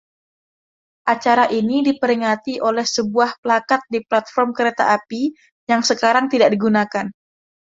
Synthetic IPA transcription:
ʔat͡ʃaɾaʔinidipəɾiŋat̪iʔolɛhsəbuahpəlakat̪̚diplat̪fɔrmkəɾet̪a̰ʔapi | jaŋsəkaɾaŋt̪idaʔ̚diɡunakan

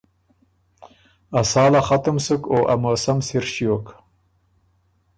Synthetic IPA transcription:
asɑːlaχat̪əmsəkoʔa̰mosamsɪɾʃijok

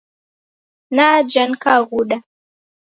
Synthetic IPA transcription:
nad͡ʒankaɣuɗa

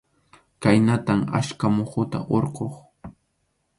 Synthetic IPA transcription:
kajnat̪ama̰ʃkamoχʊt̪a̰ʔoɾqoχ

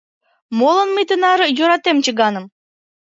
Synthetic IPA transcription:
molˠɤ̆nməjt̪ənɑɾɤ̆joɾɑt̪emt͡ɕə̆ɣɑnə̆m

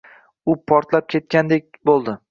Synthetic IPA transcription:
ʊpʰɒɾt̪lap̚kʲʰe̞t̪̚kʲand̪ek̚ʲbolˠd̪ɪ

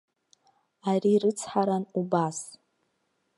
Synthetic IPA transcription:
arirɨt͡sʰħaɾanubas

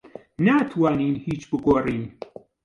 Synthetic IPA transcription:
naːt̪ʰwaːniːnhiːt͡ʃbɨɡoːriːn

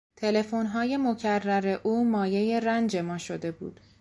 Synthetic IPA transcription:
t̪ʰe̞le̞fonɦɒːje̞mo̞cʰærːæɾe̞ʔuːmɒːje̞je̞ɾænd͡ʒe̞mɒːʃo̞d̪e̞bṵːd̪̥

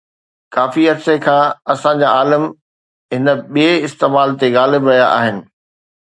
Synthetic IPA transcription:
kaːfiɐɾsekʰãːɐsãɲd͡ʑaaːləm | ɦɪnəɓieɪst̪eːmaːlt̪eɣaːlɪbɾɐjaʔa̰ːɦɪnɪ̆

